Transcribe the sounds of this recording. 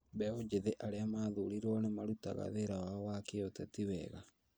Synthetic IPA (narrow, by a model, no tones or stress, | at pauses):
bɛod͡ʒeðeʔaɾeamaðuɾiɾwɔnemaɾuta̰ɣa̰ðeɾawaɔwakeotɛtiwɛɣa